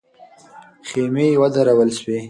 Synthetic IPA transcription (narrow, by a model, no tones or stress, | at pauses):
xemewad̪aɾawəlʃwe